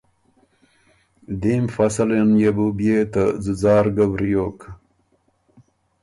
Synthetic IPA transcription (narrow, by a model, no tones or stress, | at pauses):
d̪imfasalenjebubijet̪azəzɑːɾɡabɾijoːk